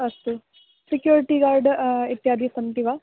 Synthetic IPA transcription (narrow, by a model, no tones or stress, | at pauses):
ɐst̪u | sikjuːɾiʈiːɡaːɾɖit̪jaːd̪ʱisɐnt̪iʋaː